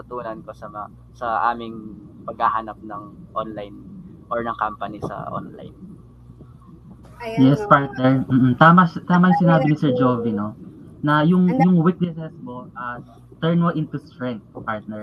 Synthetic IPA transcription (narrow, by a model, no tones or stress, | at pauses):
t̪ɐt̪uːnɐnkosɐ | sɐʔaːmɪŋpɐɡ̚hahanɐp̚nɐŋʔonlajn | ʔoɹnɐŋkampɐnisɐ̰ʔo̰nla̰jn | jɛspaɹt̪̚nɛɹm̩ːm̩t̪aːmɐt̪aːmɐjʊŋsɪnaːbɪnɪsɛɹd͡ʒoːvino̞ | nɐjʊŋjʊŋwik̪̚nɛsɛsmoʔa | t̪ɛɹnmoʔɪnt̪ust̪ɹɛnt̪̚paɹt̪̚nɛɹ